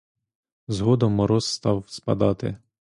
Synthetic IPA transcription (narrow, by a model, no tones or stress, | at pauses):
zɦɔd̪ɔmɔɾɔsːt̪ɑwspɐ̰d̪ɑt̪ɪ̰